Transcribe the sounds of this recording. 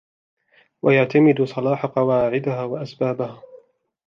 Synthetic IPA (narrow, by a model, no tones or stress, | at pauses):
wajaʕt̪amɪd̪ʊsˤɑlɑːħaqɑwaːʕɪd̪ahaːwaʔasbaːbahaː